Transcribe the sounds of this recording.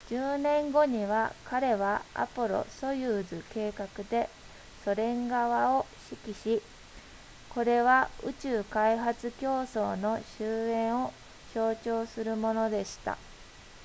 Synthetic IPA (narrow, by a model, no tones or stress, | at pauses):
d͡ʑɨːnẽ̞ŋɡo̞ɲ̟iβ̞akʰaɾe̞βaa̰poɾo̞̰so̞jɯːzɨke̞ːkakɯ̟d̪e̞ | so̞ɾẽ̞ŋɡaβao̞ɕikʲiɕi | ko̞ɾe̞βaɯ̟t͡ɕɨːkaiɦat͡sɨkʲo̞ːso̞ːno̞ɕɨːẽ̞ɰ̃o̞ | ɕo̞ːt͡ɕo̞ːsɨɾɯ̟mo̞no̞d̪e̞ɕi̥t̪a̰